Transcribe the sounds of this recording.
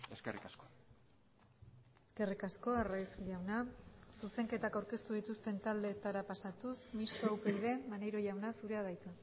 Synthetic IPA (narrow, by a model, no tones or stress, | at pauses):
eskḛrikasko | e̞ske̞rikasko̞arajsʎawnasuse̞ŋke̞t̪akawɾke̞st̪uðit̪ust̪e̞nt̪ald̪e̞t̪aɾapasat̪usmist̪oawpejðe̞manejɾo̞ʝawnasuɾe̞aðajt͡s̪a